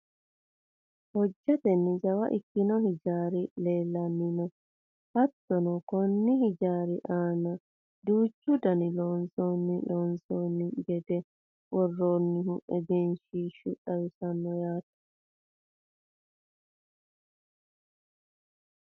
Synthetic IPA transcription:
hɔd͡ʒːɐt̪ɛnːɪd͡ʒɐwɐ̰ʔɪkːɪnɔhɪd͡ʒaːɾɪle̞ːlːɐnːɪnɔ | hɐt̪ːɔnɔkɔnːɪɦɪd͡ʒaːɾɪʔaːnɐ | d̪uːt͡ʃːʊd̪ɐnɪloːnsoːnːɪloːnsoːnːɪɡɛd̪ɛ | wɔrːoːnːɪhʊɛɡɛnʃiːʃʊᶑɐwɪsɐnːɔjaːt̪ːɐ̥

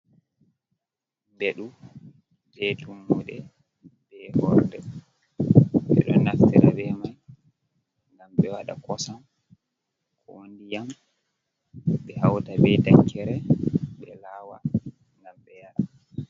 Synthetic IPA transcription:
beɗu | d͡ʒetumːuɗɛ | bɛhɔɾdɛ | ɓɛ̰ɗɔ̰naftiɾa̰bɛmaj | ŋɡamɓɛwaɗa̰kɔsam | kʰɔwondijam | ɓɛhawtabɛtaŋkːɛɾɛɓɛlaːwa̰ | ŋɡamɓɛjaɾa

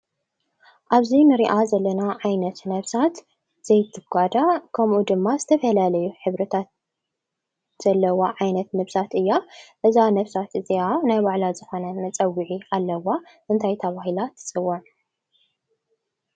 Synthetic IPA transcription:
ʔaβzinɨɾiʔazɐlːɐnaʕajnɐt̪nɐβsat̪ | z̥ɐjt̪ʰːɨɡʷad̪akʰɐmʔud̪ɨmːazɨt̪ʰɐfɐlalɐjuħɨβɾɨt̪ʰat̪̚ | z̥ɐlːɐwaʕajnɐt̪nɐβsat̪ɨjːaʔɨzanɐβsat̪ɨzianajbaʕlazɨxo̞nɐnmɐt͡sʼɐwːiʕialːɐwaʔɨnt̪ʰajt̪ʰɐβaɦilat̪ʰːɨ̥t͡sʼɨwːoʕ

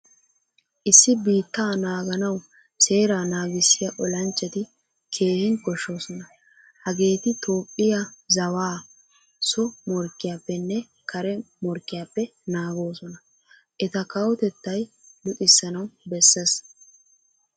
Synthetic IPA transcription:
ʔɪsːɪbiːt̪ːaːnaːɡɐnɐw | se̞ːɾaːnaːɡɪsːɪjɐʔɔlɐnt͡ʃʼːɛt̪ɪ | kʰe̞ːhɪnkɔʃːo̞ːsɔnɐ | hɐɡe̞ːt̪ɪt̪ʰoːpʼːɪjɐzɐwaː | sɔmɔɾkːɪjaːpːɛnːɛ | kʰɐɾɛmɔɾkːɪjaːpːɛnaːɡo̞ːsɔnɐ | ʔɛt̪ɐkɐwɔt̪ɛt̪ːɐj | lʊt̪ʼɪsːɐnɐwbɛsːɛs

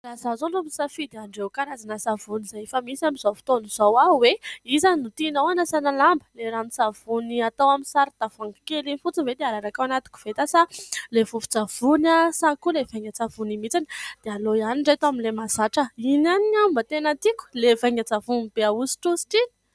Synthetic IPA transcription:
lazazonɖ͡ʐumbisafid̪eaɳɖ͡ʐewkaɾazanəsavunizajefəmisamizofi̥t̪onuz̥owaweizannut̪inawanasanalambə̥leɾanisav̥uniat̪awaminsaɾid̪avaŋɡi̥kelinfut͡sinved̪eaɾaɾakawanat̪i̥ku̥v̥et̪asalevufu̥d͡zav̥unasakulevajŋat͡savunimit͡sini̥d̪̥ealojaniɳɖ͡ʐajt̪aminlemasaʈ͡ʂəinaniambət̪enət̪ikʲu̥levaŋat͡savunib̥eausi̥ʈ͡ʂusi̥ʈ͡ʂini

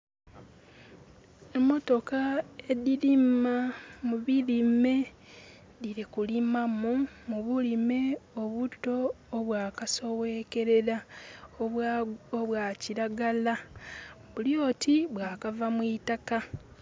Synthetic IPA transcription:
e̞mːo̞to̞kae̞diɾimamuβiɾime̞ | diɾikulimamumuβulime̞o̞βuto̞ː | βwaːkaso̞we̞ke̞ɾe̞ɾa | oβwaciɾaɡala | βuljo̞tiβwaːkavamwitaka

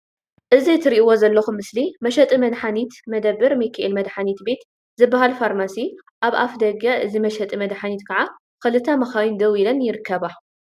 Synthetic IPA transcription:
ʔɨzit̪ʰɨɾiʔiwozɐlːɐxumɨslimɐʃɐt̪ʼimɐd̪ħanit̪mɐd̪ɐbːɨɾmikʰaʔilmɐd̪ħanit̪be̞t̪ | zɨbːahalfaɾmasi | ʔaβʔafd̪ɐɡaʔɨzimɐʃɐt̪ʼimɐd̪ħanit̪kʰɐʕa | kɨlɨt̪ʰːɐmɐxawind̪ɐwilɐnjɪɾɨkʰːɐβa

